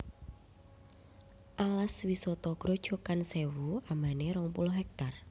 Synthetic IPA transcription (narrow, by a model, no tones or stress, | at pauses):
ʔalaswisɔt̪ɔɡ̥ɾɔ̤d̥ʒ̥ɔ̤kansewuamaneɾɔŋpʊlɦɛk̚t̪ar